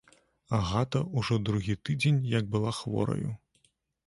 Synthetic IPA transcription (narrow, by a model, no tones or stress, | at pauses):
aɣat̪ɐuʐɔd̪ɾuɣʲit̪ɨd͡zʲenʲjɐɡ̚bɨlˠaxvɔ̰ɾɐ̰jṵ